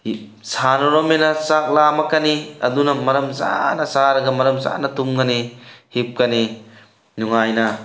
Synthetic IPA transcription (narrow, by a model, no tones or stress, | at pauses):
sanɐɾɔmenɐsak̚lamɐkːɐniɐ̰dunɐmɐɾɐmza̰nɐsaɾɐɡɐmɐɾɐmza̰nɐtumɡɐnihip̚kɐni | nuŋajnɐ